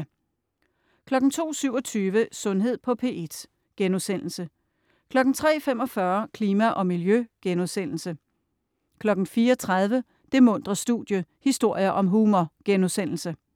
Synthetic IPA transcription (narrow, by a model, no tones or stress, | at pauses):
kʰlɒ̽ɡ̥n̩t͡sʰo̝̰ːsyʊɒ̽t͡sʰyːʋəsɔ̽nɦe̝ð̰ˠpʰɒ̽pʰe̝ːʔe̝d̥ | ɡ̥enuðˠsen̰l̩sə | kʰlɒ̽ɡ̥n̩t͡sʰʁɛ̰ːfem̰ɒ̽fɶɐkʰliːmæʔɒ̽miljøɡ̥enuðˠsen̰l̩sə | kʰlɒ̽ɡ̥n̩fiːɐɒt͡sʰʁað̞ˠʋə | d̥e̝mɔ̽n̰d̥ʁɐsd̥ṵðd̥ˠjəhisd̥o̝ɐ̰jɐʔɒ̽mɦumɒɡ̥enusen̰l̩sə